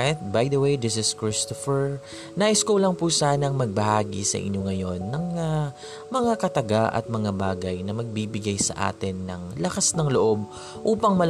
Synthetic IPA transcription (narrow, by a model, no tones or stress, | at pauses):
t̪̚bajd̪ɐwejd̪ɪs̬ɪskɹɪst̪ofɛɹ | naːʔɪskolɐŋpusaːnɐŋmɐɡ̚bɐhaːɡḭsɐ̰ʔɪ̰ɲo̞ŋɐjo̞nːɐŋa | mɐŋakɐt̪ɐɡaʔɐ̰t̪̚mɐŋabaːɡɐjnɐmɐɡ̚biːbɪɡajsɐ̰ʔa̰ːt̪ɪnːɐ̰ŋlɐkasnɐŋloʔo̞b̚ | ʔuːpɐŋmɐl